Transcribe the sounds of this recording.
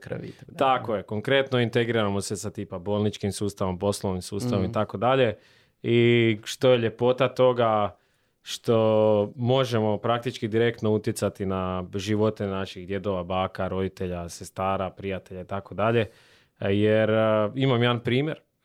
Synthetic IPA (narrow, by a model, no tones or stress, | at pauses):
kɾḭt̪akoje̞ko̞ŋkɾe̞t̪noint̪eɡɾiɾamo̞sesat̪iːpabolˠnit͡ʃkimsuːst̪aʋompo̞slˠoʋimsuːst̪aʋomit̪ako̞d̪aʎe̞ | iʃt̪o̞jeʎe̞po̞t̪at̪o̞ɡa | ʃt̪o̞mo̞ʒemo̞pɾak̚t̪it͡ʃkid̪iɾe̞kt̪nout̪jesat̪inaʒiʋo̞t̪enaʃixd̪je̞d̪o̞ʋabaːkaɾo̞d̪it̪e̞ʎasest̪aːɾapɾijat̪e̞ʎait̪ako̞d̪aʎe̞ | jeɾimamjeanpɾiːmje̞ɾ